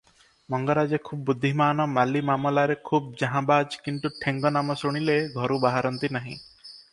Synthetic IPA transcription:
mɔŋɡɔɾad͡ʒekʰubːud̪ʱːimaːnɔmalimamɔlaɾekʰub̚d͡ʒaɦãbad͡ʒkint̪uʈʰeŋɡɔnamɔsuɽ̃ileɡʱɔɾubaɦaɾɔnt̪inaɦḭ̃

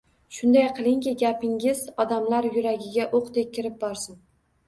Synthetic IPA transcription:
ʃʊnd̪ajqʰɨlˠɪŋkʲɪɡʲapɪŋɪzɒd̪amlaɾjʊɾaɡʲɪɡʲaʔoqd̪ek̚ʲʰːɪɾɪp̚bɒɾsɪn

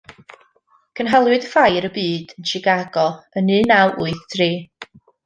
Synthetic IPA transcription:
kʰənɦɛlˠwɨdəfajɾəbɨːd̥ənt͡ʃɪɡaɡɔənɨːnawʔuɨθd̥ʰriː

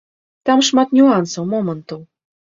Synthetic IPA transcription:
t̪ɑmʂmɑt̪nʲuɑnsowmomə̆nt̪ow

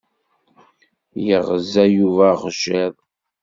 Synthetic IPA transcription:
jəʁəzæjuvæʁʒɪðˤ

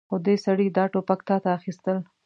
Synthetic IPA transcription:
xod̪esaɽid̪ɑʈopak̚t̪ɑt̪aːxist̪əl

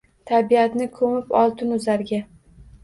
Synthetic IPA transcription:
t̪ʰabijat̪nɪkʰɵmɪpɒlˠt̪ɪnʊzaɾɡʲa

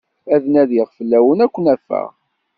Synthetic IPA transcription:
æðnæðiʁfəlːæwənækʷːənæfːə̰ʁ

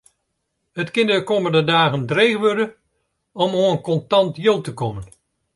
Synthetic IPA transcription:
hətkɪnədəkoːməndədaːɣəndreːɣəʋørdə | ɔmoənkɔntɑntjolˠtəkɔmən

